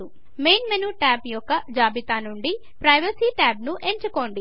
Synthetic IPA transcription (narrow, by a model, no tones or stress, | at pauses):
u | me̞jnmenuːʈaːbjɔkːɐd͡ʒaːbit̪aːnuɳɖi | pɾɐjʋɐsiʈaːbnuʔeɲt͡ʃuko̞ːɳɖi